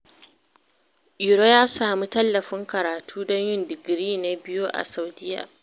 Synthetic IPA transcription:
ʔʊ˨ɾo˦jaː˦saː˨mi˦tɐ˦lːɐ˨ɸɪ˦ŋkɐ˨ɾaː˨tʰuː˦dɔ˦ɲjɪ˦ndɪ˨ɡɾiː˦na˨bɪ˦joː˦ʔa̰˨sa˨wdɪ˦ja̰ː˨

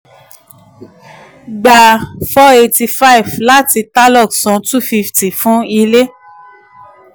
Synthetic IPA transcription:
ɡ͡ba˧˨fɔ˦e˧ti˧fa˦i˨vla˦ti˧ta˦lɔ˦˨ksɔ̃˨˦tu˦˨fi˧fti˨fũ˨˦i˧le˦

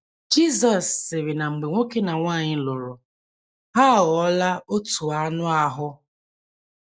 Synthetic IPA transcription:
d͡ʒi˦zɔ˨sːɪ˨ɾɪ˨na˨ŋ͡m̩˨ɡ͡be˨ŋʷo˦ke˦na˨ŋʷa˦˨ɲɪ˦lʊ˨ɾʊ˨ | ɦa˦˨ɣɔ˨˦la˦o˦tu˨a˦nʊ˦a˦ɦʊ˦

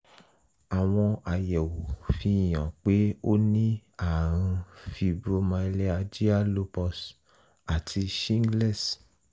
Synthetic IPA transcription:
a˨w̃ɔ̃˧a˨jɛ˨wu˨fi˧˦˨jã˨k͡pe˨˦o˦nĩ˦a˦˨ɾã˧fi˧bɾo˦mã˧i˧lɛ˦a˧d͡ʒi˦a˦lo˧pɔ˧s | a˨tʰi˧ʃĩ˦ŋ˦ɡlɛ˦˨s

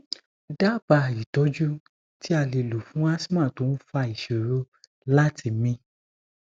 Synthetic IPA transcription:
da˦˨ba˧˨i˨tɔ˨˦d͡ʒu˦ | ti˦a˧li˨lu˨fũ˦a˦smã˦˨to˨˦n̩˦fa˧i˨ʃe˨ɾo˦ | la˦tʰi˧˨mĩ˧

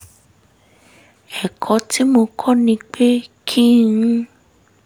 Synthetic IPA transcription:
ɛ˨kʰɔ˨˦tʰi˦mo˧kʰɔ˦nĩ˧k͡pe˦kʰĩ˦

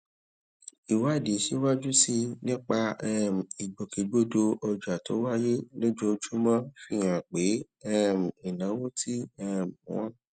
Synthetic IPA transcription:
i˨wa˨˦˨di˨˦ʃe˦wa˦d͡ʒu˦si˧nĩ˦k͡pa˧ɛ˦m̩˨i˨ɡ͡bo˨ke˨ɡ͡bo˦do˧ʔɔ˧d͡ʒa˨to̰˨˦wa˦je˦lo˦d͡ʒo˦d͡ʒu˦mã˦fi˦˨j̃ã˨k͡pe˨˦ | ɛ˦˨m̩˨i˨nã˨˦wo˦tʰi˦ɛ˦˨wɔ̰̃˦

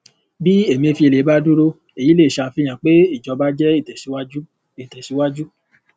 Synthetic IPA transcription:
bi˦e˦˨mĩ˧e˧fi˧e˨le˨˦ba˦du˦ɾo˦ | e˨ji˨˦le˦˨ʃa˧˨fi˧˦j̃ã˨k͡pe˨˦i˦˨d͡ʒɔ˧ba˦d͡ʒɛ˦i˦˨tɛ˨si˨˦wa˦d͡ʒu˦ | e˨tɛ˨ʃi˨˦wa˦d͡ʒu˦

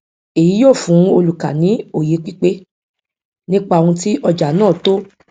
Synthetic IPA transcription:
e˨ji˨˦joː˦˨fũ˨˦o˧lu˨ka˨nĩ˨˦o˦˨je˨˦k͡pi˦k͡pe˦ | nĩ˦k͡pa˦˨ũ˧ti˦ʔɔ˧d͡ʒa˨nãː˦˨to˦

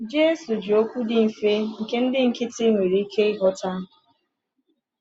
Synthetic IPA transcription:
d͡ʒe˦su˨d͡ʒi˨o˦kʷu˦dɪ˦m̩˨fe˦ŋ̩˨ke˦n̩˦dɪ˦ŋ̩˨kɪ˦tɪ˦ŋʷe˨ɾi˨˦i˦ke˦ɪ˦ɦɔ˦ta˦

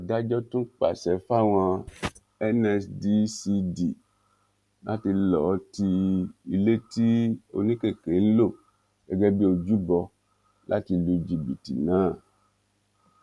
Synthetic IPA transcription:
a˨da˦d͡ʒɔ˦tũ˦k͡pa̰˨sɛ˨fa˦w̃ã˧ | ɛ˦nɛ˧sdi˦si˧di˨ | nʔã˦ti˧lɔ˨˦ti˧i˨le˦ti˦o̰˨nĩ˦ke˨ke˨n̩˦lo˦˨ | ɛ˨ɡɛ˦bi˦o˧d͡ʒu˦bɔ˧ | lʔa̰˦ti˧lu˨d͡ʒi˨bi˨tḭ˨nãː˨˦˨

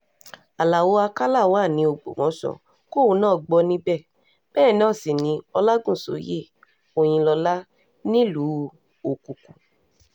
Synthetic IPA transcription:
a˨la˨wo˧˦a˧ka˦la˦˨wa˦˨nĩ˧˦o˨ɡ͡bo̰˨mɔ̃˨˦sɔ̰˨ | ko˦˨wo˧˦nãː˦˨ɡ͡bɔ˧nĩ˦bɛ˦˨ | b̥ɛː˦˨˦nãː˦˨si˨nĩ˧˦ɔ˧la˦ɡũ˦˨so̰˨˦jḛ˦˨ | o˨j̃ĩ˧lɔ˧la˦ | nĩ˦lu˨˦ | o˨ku˨ku˨

